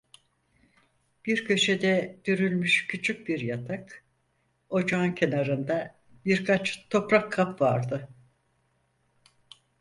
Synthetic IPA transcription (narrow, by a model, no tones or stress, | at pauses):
b̥iɾcʰø̞ʃed̪ɛd̪̥øɾylʲmyʃcʰyt͡ʃʰyc̚biɾjat̪ʰak | o̞d͡ʒancʰenaɾɯnd̪a | biɾkʰat͡ʃt̪ʰo̞pɾakʰːapvaɾd̪ɯ